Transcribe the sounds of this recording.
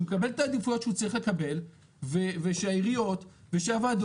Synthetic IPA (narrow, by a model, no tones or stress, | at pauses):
mkabeletaːd̪ifujo̞tʃeut͡saʁiχle̞kabe̞l | veveʃeaiʁijo̞t | veʃavad̪